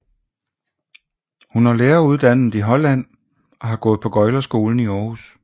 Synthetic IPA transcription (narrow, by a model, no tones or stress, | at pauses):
hunhɑ̈leːɐuð̞ˠd̥æn̰ð̩ˠiɦɒ̽læn̰ | ɒ̽ɦɑ̈ɡ̥ɔ̽ːð̩ˠpʰɒ̽ɡ̥ɒ̽ɪlɐsɡ̥o̝ːln̩iɒːhus